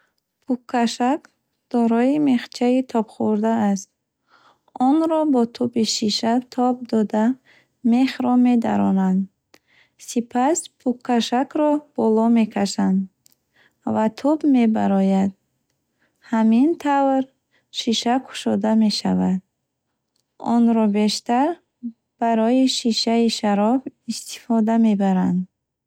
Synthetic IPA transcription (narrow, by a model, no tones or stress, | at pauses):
pʰukʰːaʃak | d̪̥ɔɾɔime̞χt͡ʃʰait̪ʰɔbχuɾd̪aːst̪̚ | ɔnɾɔbɔt̪ʰubiʃiʃat̪ʰɔb̚d̪ɔd̪a | meχɾɔme̞d̪a̰ɾɔnand̪ | sipʰaspʰukʰːaʃakɾɔb̥ɔlɔme̞kʰaʃand̪ | vat̪ʰubme̞baɾɔjad̪̚ | hamint̪ʰavɾ | ʃiʃakʰu̥ʃɔd̪ame̞ʃavad̪̚ | ɔ̰nɾɔbe̞ʃt̪aɾ | b̥aɾɔiʃiʃaiʃaɾɔbist̪i̥fɔd̪ame̞baɾand̪